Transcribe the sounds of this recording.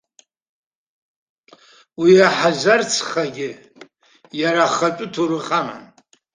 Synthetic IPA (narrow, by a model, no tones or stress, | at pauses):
wiaħazart͡sʰχaɡʲɪ | jaɾaχat͡ʃʷʼʊtʰuɾɨχʼama̰n